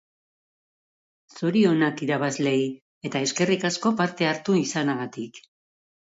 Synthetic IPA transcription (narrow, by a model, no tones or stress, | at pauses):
suɾio̞nakiɾaβazle̞i | e̞t̪ae̞ske̞rikasko̞paɾt̪e̞aɾt̪uisanaɣat̪ik